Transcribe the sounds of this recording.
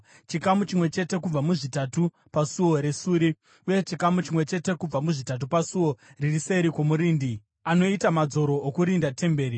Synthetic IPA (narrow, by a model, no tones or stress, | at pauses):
t͡ʃikamut͡ʃimwe̞t͡ʃe̞te̞kub͡vamuʐitatu | pasuwo̞ɾesuːɾi | uje̞t͡ʃikamut͡ʃimwe̞t͡ʃe̞te̞kub͡vamuʐitat̬upasuwo̞ririseɾiko̞muɾiːndi | ano̞itamad͡zo̞ɾo̞ːkuɾindatʰe̞mbe̞ːɾi